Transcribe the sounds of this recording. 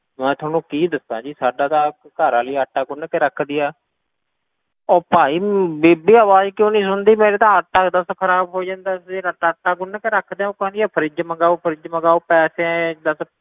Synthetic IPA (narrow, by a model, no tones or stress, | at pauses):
mɛ̃ːt̪ʰaːnũːkiːd̪əsd̪ã̰ːd͡ʒiːsaːɖaːd̪ãː | kəɾãːliːəʈːaːɡʊnkeɾəkʰd̪iːaː | ɔːpaːiːbeːbiːaːʋaːd͡ʒkjõːnĩːs̬ʊnd̪iːmeːɾeːt̪ãːəʈːaːkd̪əskʰəɾaːbɦoːd͡ʒãːnd̪aːseɾəʈːaːəʈːaːɡʊnkeɾəkʰd̪eãːõːkãːnd̪iaːpʰəɾɪd͡ʒməɡaːopʰəɾɪd͡ʒməɡaːuːpɛːsẽːd̪əs